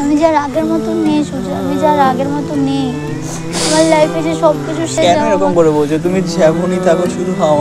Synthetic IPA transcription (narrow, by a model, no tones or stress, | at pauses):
amid͡ʑaɾaɡeɾmɔt̪onejʃut͡ʃʰoamid͡ʑaɾaɡeɾmɔt̪onij | amaɾlajfet͡ʃʰeʃɔbkit͡ɕʰuʃekɛnoeɾɔkomkoɾebolt͡ɕʰot̪̬umid͡ʑʱɛbʱunit̪ʰakeʃuɾuɦa